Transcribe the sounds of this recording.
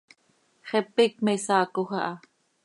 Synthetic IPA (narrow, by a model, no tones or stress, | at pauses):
χɛpik̚mesɑːkoxɑʔɑ